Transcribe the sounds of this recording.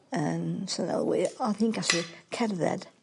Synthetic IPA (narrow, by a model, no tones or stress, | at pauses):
ənsənɛ̰lˠweaθɪ̃ŋkasəkʰɛɾðɛ̰d̥